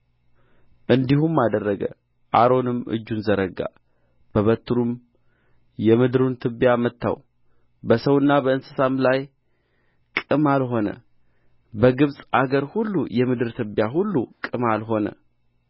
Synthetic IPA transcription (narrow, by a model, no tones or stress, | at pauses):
ʔɨnd̪ihumːad̪ərːəɡə̰ | ʔaɾo̞nɨmɨ̰d͡ʒːunzəɾəɡa̰ | b̥əβət̪ʰːɨɾum | jɛmɨd̪ɨɾunt̪ʰɨbjamət̪ʰːa̰w | bəsəwɨnːabəɨnsɨsamlaj | kʼɨmalɦo̞nə̰ | bəɡɨβsʼaɡəɾhulːujɛmɨd̪ɨɾt̪ʰɨbjaɦulːukʼɨmalɦo̞nə̰